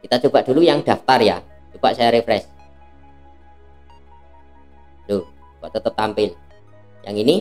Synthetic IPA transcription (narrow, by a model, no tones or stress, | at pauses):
kit̪at͡ʃob̥aʔd̪̥ulujaŋd̪̥a̤ft̪arja | t͡ʃub̥aʔsajaɾefɾɛs | d̥o | t͡ʃub̥aʔt̪ət̪əp̚t̪ampɪl | ja̰ŋini